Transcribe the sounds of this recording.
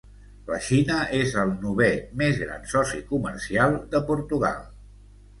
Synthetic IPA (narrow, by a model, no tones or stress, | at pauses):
lə̰ʃinəʔezəlˠnuβemezɣɾa̰nsɔsikuməɾsialˠd̪əpuɾt̪uɣa̰lˠ